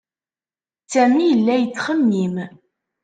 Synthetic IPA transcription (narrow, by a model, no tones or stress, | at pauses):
sæmijəlːæjət͡sːχəmːim